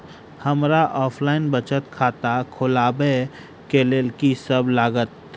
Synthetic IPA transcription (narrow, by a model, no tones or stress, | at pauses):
həmɾaʔɔːpʰlaːɪnbət͡ʃət̪kʰaːt̪akʰʊlaːbe | keleːlkisəblaːɡət̪